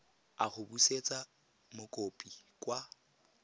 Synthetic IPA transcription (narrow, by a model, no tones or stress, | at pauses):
aχʊbuset͡sʼa | mʊkʼopʼikʼwa